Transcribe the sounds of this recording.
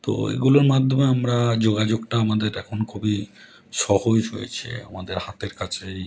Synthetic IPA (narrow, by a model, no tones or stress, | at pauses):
t̪o̰ḛɡuloɾmad̪ʱomeamɾad͡ʑoɡad͡ʑoɡʈaamad̪eɾɛkʰonkʰubi | ʃɔhod͡ʑɦo̰jḛt͡ɕʰḭa̰mad̪eɾhat̪eɾkat͡ɕʰej